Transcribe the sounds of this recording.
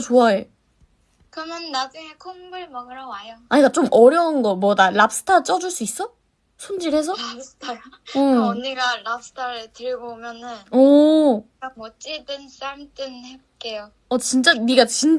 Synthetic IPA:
t͡ɕoae | kʌnjʌnːad͡ʑuŋe̞kʰoŋbɯɭmaŋɯɾʌwajoaɲik͈at͡ɕ͈omʔʌɾjʌunɡʌmwʌdalap̚s͈ɯ̥tʰat͡ɕ͈ʌd͡ʑuɭs͈uis͈ʌ | sʰond͡ʑiɾɦe̞s̬ʰʌapsɯ̥tʰa | niɡaɭap̚s͈ʰɯ̥tʰaɾɯtɯɾbomjʌnɯnʌ | ak̚mʌt͡ɕ͈ʼidɯns͈aɭmt͈ɯnhep̚k͈e̞jo | ʌt͡ɕint͡ɕ͈aniɡat͡ɕin

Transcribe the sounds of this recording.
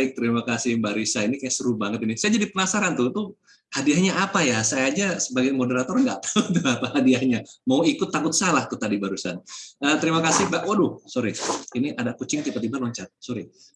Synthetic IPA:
ɪk̚t̪əɾimakasɪbaɾisainikajasəɾubaŋət̪inisajad͡ʒadipənasaɾant̪ut̪u | hadiahɲaʔapajasajaɲasəbaɡajmodəɾat̪ɔrŋɡaʔt̪aut̪uapahadiahɲamauikʊt̪ːakʊt̪̚salaht̪ut̪adibaɾusanəːt̪əɾimakasɪhbaʔwadʊhsoɾiiniʔadakut͡ʃɪŋt̪ibat̪ibalɔɲt͡ʃat̪̚soɾi

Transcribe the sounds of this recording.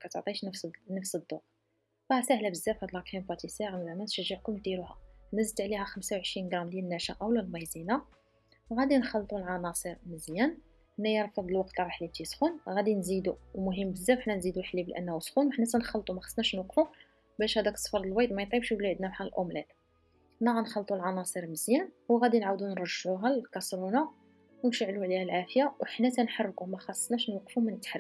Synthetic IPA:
kæt̪əʕt̪ˤiʃnənəfsəd̪ˤːo | bɑsæhlæbəzːæfhæd̪əlɑqħimbɑt̪isæɣnzʕmæt̪ʃəʒːəʕkʊmd̪iɾuhæ̰bənːəs̬bət̪ʕlihæxəmsawʕəʃɾinɡɾˤɑmljælnːæʃaʔæwlælmɑjzina | ɣæd̪inxɑlːt̪ˤulʕɑnɑsˤəɾməzjæn | hənːæjəɾˤfɑd̪ˤlwɑq̚t̪ɾˤɑħlit̪isxunɣæd̪inzid̪umʊɦəmːbəzːæwəħnænzid̪ulħlibəlʔæ̰nːæhusxunwħnæsænxɑlt̪ˤumæxɑ̥sˤnæʃnwɑqfu | bæʃhæd̪æksˤfɑɾˤd̪əlwɑjd̪mæjt̪ˤibʃbliʕəd̪næmħalʔomlæt̪ | næɣænxɑlt̪ˤulʕɑnɑsˤəɾməzjæn | wɣæd̪inʕawd̪unɾˤəʒuɦællkɑsɾuna | wənʃəʕluʕlihælʕafjawħnætænħɑrˤːkumæxɑsˤnæʃnwɑqːfumænət̪ːħɾ

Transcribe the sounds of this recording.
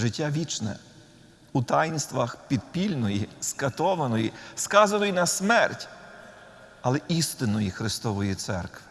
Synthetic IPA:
ʒɪtʲːaʋʲit͡ʃnɛ̰ | ut̪ɑjnst̪ʋɐxpʲid̪̚pʲilʲnɔjiskɐt̪ɔʋɐnɔjiskɑzɐnɔjinɐsmɛrtʲ | ɐlˠɛʔist̪ɪnɔjixɾɪst̪ɔʋɔjit̪sɛ̰rkʋɪ̥

